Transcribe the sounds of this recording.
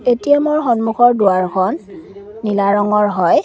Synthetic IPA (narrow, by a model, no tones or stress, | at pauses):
etijamoɹxɔnmuxɔɹdʊaɹkʰɔnːilaɹɔŋɔɹɦɔj